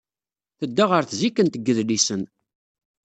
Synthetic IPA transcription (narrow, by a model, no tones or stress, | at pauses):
θəd̪ːaʁəɾθzikːənt̪əɡːəðlisən